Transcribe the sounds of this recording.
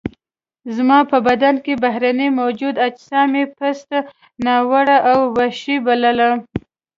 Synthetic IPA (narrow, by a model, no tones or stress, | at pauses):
zmɑpəbad̪ankebaɦɾanimowd͡ʒud̪ad͡ʒsɑmepast̪a | nɑwaɽaʔawwaʃibalala